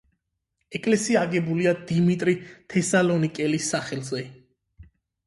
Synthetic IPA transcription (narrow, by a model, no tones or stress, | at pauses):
ɛkʼlɛsiaːɡɛbuliad̪imit̪ʼɾit̪ʰɛsalɔnikʼɛlisːaχɛlˠzɛ